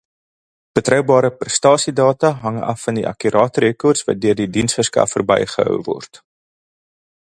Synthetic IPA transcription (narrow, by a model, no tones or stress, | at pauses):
b̥ətrœwbɑːɾəprəstɑːsidɑːtɐɦɐŋɐ̰fːɐndiʔɐ̰kyɾʔɑːtɾekɔrtsvɐ̰t̚døərdidinsfərskɐ̰fərbɛ̰jχəɦœ̰wvɔ̰rt